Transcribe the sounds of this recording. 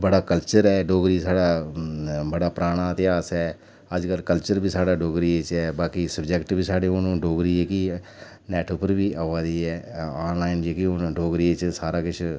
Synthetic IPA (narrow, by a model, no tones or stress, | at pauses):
bəɽaːkəlt͡ʃəɾɛːɖoːɡɾiːsaːɽaː | bəɽaːpɾaːɽ̃aːt̪eaːsɛː | əd͡ʒkəlkəlt͡ʃəɾbʱiːsaːɖaːɖoːɡɾiet͡ʃɛːbaːkisəbd͡ʒɛkʈbiːsaːɖeːonũːɖoːɡɾiːɛːki | nɛːʈʊpəɾbiːʔəːʋaːd̪iːɛːaːnlaːɪnd͡ʒeːkionːɖoːɡɾiːet͡ʃsaːɾaːkɪt͡ʃʰ